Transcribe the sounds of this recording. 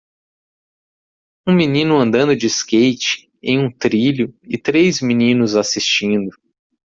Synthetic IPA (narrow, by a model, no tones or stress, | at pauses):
ũminĩnʊɐ̃nd̪ɐ̃nd̪ʊd͡ʒɪskejt͡ʃɪ̥ | ḛ̃j̃ũt̪ɾiʎʊɪt̪ɾezminĩnʊzasist͡ʃĩnd̪ʊ